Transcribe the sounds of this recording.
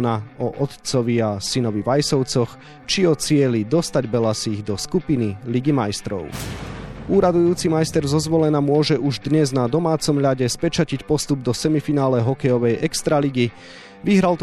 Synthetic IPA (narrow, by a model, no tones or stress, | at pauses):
naɔʔɔt̪t͡sɔʋiasinɔʋiʋajsɔʊt͡sɔx | t͡ʃiɔt͡sɪɛlid̪ɔst̪aɟbɛlasiːɣd̪ɔskupiniliɡimajst̪ɾɔ̰ʊ | uːɾad̪ujuːt͡simajst̪ɛɾzɔzʋɔlɛnamʊɔʒɛʔuʒd̪ɲɛznad̪ɔmaːt͡sɔmʎaɟɛspɛt͡ʃacicpɔst̪ub̚d̪ɔsɛmifinaːlɛɦɔkɛjɔʋɛjʔɛkst̪ɾaliɡi | ʋiɦɾalt̪